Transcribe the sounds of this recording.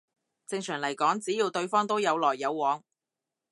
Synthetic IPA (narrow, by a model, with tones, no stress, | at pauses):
t͡sɪ˧ŋsʰœː˨˩ŋlɐ˨˩jkɔː˨˥ŋt͡siː˨˥jiː˧wt̪ɵ˧ɥfɔː˥ŋt̪o˥wjɐ˨˧wlɔː˨˩jːɐ˨˧wːɔː˨˥ŋ